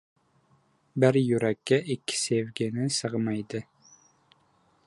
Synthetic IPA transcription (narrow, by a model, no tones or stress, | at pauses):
bɪɾjʉɾækʲːæʔikʲːɪ̥sevɡʲɪnɪsɤʁmɑjd̪ɪ